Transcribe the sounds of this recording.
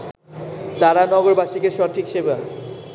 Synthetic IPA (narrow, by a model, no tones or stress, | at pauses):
t̪aɾanɔɡoɾbaʃikeʃɔʈʰikʃebea